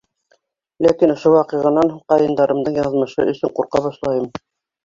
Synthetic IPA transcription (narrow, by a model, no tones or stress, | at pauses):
lækinŏʃowɑqɤ̆ʁɤ̆nɑɴhuqɑjɤ̆nd̪ɑɾɤ̆md̪ɤɴjɑðmɤ̆ʃɤ̰ɵ̰̆sɵɴquɾqɑbɑʃlˠɑjɤm